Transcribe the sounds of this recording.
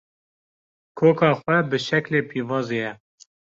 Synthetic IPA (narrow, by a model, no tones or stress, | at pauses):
kʰoːkɑːxwɛbɨʃɛkleːpʰiːvɑːzeːjɛ